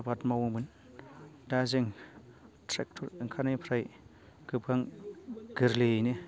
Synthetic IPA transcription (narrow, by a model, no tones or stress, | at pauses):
batmawuŋbɯn | dazeŋ | tʰɾɛk̚tʰuɾiŋkʰanajpʰɾaj | ɡ̥ɯp̚ɡaŋɡ̥ɯɾlene